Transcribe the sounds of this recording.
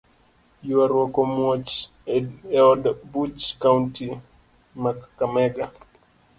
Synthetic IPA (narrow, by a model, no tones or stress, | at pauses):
juaɾwɔkɔmwot͡ʃ | ɛɔdbut͡ʃkaunti | makːamɛɡa